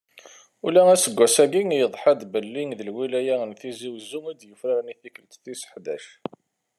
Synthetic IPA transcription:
ulææsəɡʷːæsæɡiŋjəðˤħad̪bəlːiŋðəlwilæjæənθiziwzuŋæd̪jəfɾaɾniθikəlt̪θisə̥ħd̪æʃ

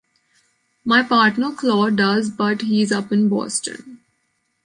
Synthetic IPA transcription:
maɪpaːɾʈnəɾklɔːɖʌzbʌʈhiːɪzʌpɪ̃nbɔ̰ːsʈə̰̃n

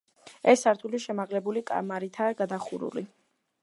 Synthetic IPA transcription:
ɛsːaɾt̪ʰuliʃɛmaʁlɛbulikʼa̰maɾit̪ʰaːɡad̪aχuɾṵli

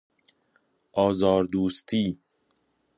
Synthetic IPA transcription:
ʔɒːzɒːɾd̪uːst̪ʰiː

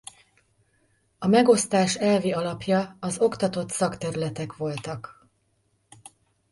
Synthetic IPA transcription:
ɒmɛɡo̞st̪aːʃɛlviɒlɒpjɒːzo̞kt̪ɒt̪o̞t̪sɒkt̪ɛɾylɛt̪ɛkʋo̞lt̪ɒk

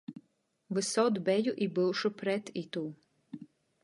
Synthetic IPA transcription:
vɨsɔd̪bɛjuʔibɨlˠʃupɾɛt̪it̪uː

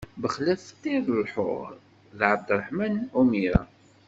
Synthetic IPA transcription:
bəχlæθt̪ːiɾəlħʊ̰ʁ | ðʕəbd̪ɾˤəħmænumiɾæ̰

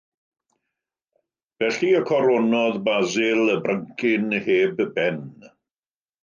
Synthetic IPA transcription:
v̥ɛɬiəkʰɔɾɔnɔðbazɪlˠəbrəŋkʰɪnheːbbɛn

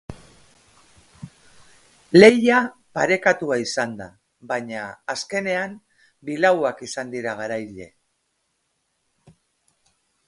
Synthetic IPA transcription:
le̞japaɾe̞kat̪uaisand̪a̰ | baɲaːske̞ne̞am | bilawakisand̪iɾaɣ̞aɾajʎe̞̰

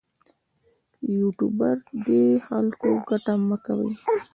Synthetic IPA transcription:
juʈubaɾd̪exalkoɡaʈaməkawə̰j

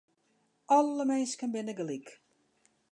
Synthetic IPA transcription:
ɔlˠːəmɛjskənbɪnəɡəlik

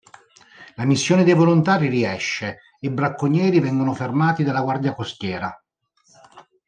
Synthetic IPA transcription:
lamisːjoːned̪ejvolont̪aːɾiriɛʃːe | ebɾakːoɲːɛːɾivɛŋɡonofermaːt̪id̪alːaɡward̪jakost̪jɛːɾa

